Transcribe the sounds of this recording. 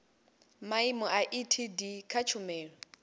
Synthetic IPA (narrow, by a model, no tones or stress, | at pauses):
maimɔʔaʔitʰidikʰat͡ʃʰumɛːɺɔ